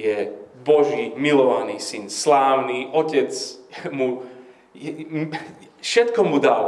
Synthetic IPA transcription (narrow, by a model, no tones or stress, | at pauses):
jɛbɔʒiːmilɔʋaniːsinslaːʊniːʔɔcɛt͡smu | ɛ | fʃɛt̪kɔmud̪al